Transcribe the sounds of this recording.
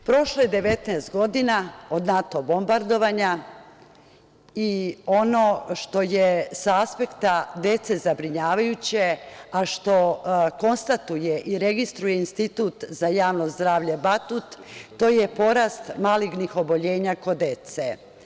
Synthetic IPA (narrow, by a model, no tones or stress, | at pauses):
pɾo̞ʃlaed̪e̞ʋe̞t̪nɛːst̪ɡo̞d̪inao̞d̪nat̪o̞bo̞mbaɾd̪o̞ʋaɲa | io̞no̞ʃt̪o̞jesaaspe̞kt̪ad̪e̞t̪se̞zabɾiɲaːʋajut͡ɕeaʃt̪o̞ko̞nst̪at̪ujeʔiɾeɡist̪ɾujeinst̪it̪uːt̪zajaːʋnozzd̪ɾaːʋʎebat̪ut̪ːo̞ːje̞po̞ɾast̪maːliɡnixo̞bo̞ʎe̞ːɲako̞d̪e̞t̪se